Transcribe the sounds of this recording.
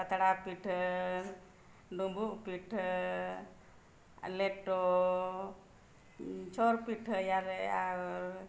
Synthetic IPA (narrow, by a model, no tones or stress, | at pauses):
pət̪ɽapiʈʰ | ɖumbupiʈʰ | leʈo | t͡ʃʰoɾpiʈʰjaɾa